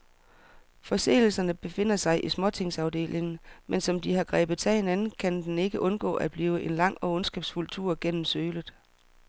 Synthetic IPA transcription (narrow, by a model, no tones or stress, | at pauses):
fɒ̽se̝̰ːl̩sɐnəb̥e̝fe̝n̰ɐsɑ̈ɪʔismɒ̽t͡sʰe̝ŋ̰sɑ̈ʊde̝̰ːlʔe̝ŋn̩mensɒ̽md̥ihɑ̈ɡ̥ʁɛ̰ːb̥ð̩ˠt͡sʰæhe̝nænn̩kʰænd̥ene̝ɡ̥əʔɔ̽nɡ̥ɔ̰̽ːʔæd̥̚b̥liːʊəʔe̝nlɑ̈ŋ̰ɒ̽ɔ̽nsɡ̥ɛːb̥sfult͡sʰṵɐ̰ɡ̥en̰m̩søːlð̩ˠ